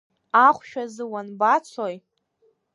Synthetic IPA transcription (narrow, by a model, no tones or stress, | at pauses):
aχʷʃᶣazɨwanbat͡sʷʰoj